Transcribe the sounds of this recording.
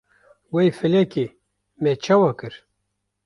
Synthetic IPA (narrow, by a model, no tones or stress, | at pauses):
wejfɨlɛke | mɛt͡ʃʰɑwɑkɨɾ